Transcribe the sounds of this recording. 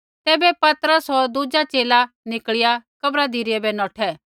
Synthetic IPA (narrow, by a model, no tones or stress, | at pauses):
t̪ɛːbɛpɐt̪ɾəsɦoːɾd̪ud͡ʒat͡ʃeːla | nɪkɭɪjakɐbɾad̪ʱiɾɪɛbɛnɔːʈʰɛː